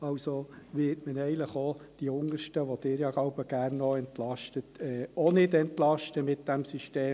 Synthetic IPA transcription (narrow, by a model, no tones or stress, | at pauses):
ɑwsoʋɪtmənɛɪələχod̥iʊŋəʃtəʋod̪̥ɪːɾjɑɡ̥lɑʊbəɡ̥ærnːɔɛntlɑʃtətɛːonɪdɛntlɑʃtəmɪtd̥æmsiʃteː